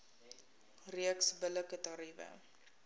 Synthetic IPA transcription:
riəksbələkətɑɾivə̰

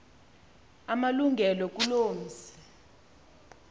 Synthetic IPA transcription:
amaluŋɡʱɛlɔk̬uloːm̩zɛ̥

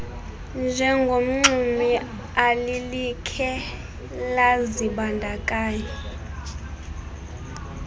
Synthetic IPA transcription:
nd͡ʒʱɛŋɡʱom̩ŋ͡ǀimi | alilikʰɛ | laziɓandʱakʼaːjɔ

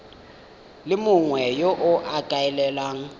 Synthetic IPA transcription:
lɪmʊŋwɛjoʔʊʔakʼaɛlɛlaːŋ̩

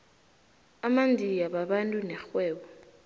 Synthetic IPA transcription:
amandʱijaɓaɓantʼunɛxwɛːɓɔ

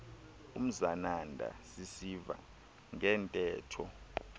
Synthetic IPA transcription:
um̩zanandʱa̰sisiva̰ | ŋɛːntʼɛːtʰɔ

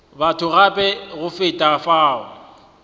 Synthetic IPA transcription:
batʰʊɣapʼɛɣʊfɪtʼafaːʊ

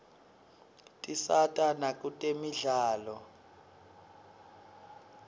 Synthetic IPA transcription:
tʼisatʼanak̬ʼutʼemiɮaːlɔ

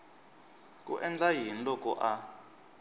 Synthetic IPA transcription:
kʼṵʔɛnd͡ɮaɦin̩lɔkʼɔ̰ʔa

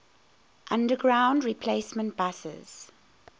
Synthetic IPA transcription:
ʔãndəɡɹãʊ̃ndɹipʰleɪsmə̃nt̚b̥asɪ̰z̥

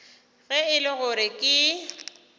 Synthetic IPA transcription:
ɣɛɪlɪɣʊɾɪkʼɪ

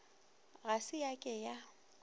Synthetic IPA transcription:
ɣasɪjakʼɛja

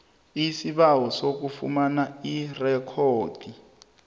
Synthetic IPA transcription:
isiβaɦɔsok̬ufṵmanairɛkʰoːd̥ʱi

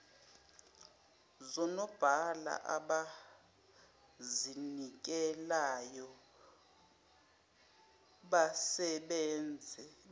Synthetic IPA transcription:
zɔnɔb̥ʱala̰ʔaɓa | zinik̬ʼɛlajɔ | ɓasɛɓɛːnd͡zʱɛ

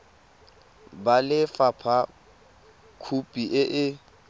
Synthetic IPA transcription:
balɪfapʰa | kʰupʼiʔɪʔɪ

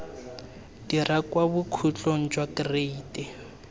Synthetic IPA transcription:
d̥irakwabʊkʰut͡ɬʼon̩d͡ʒwakreitʼɛ

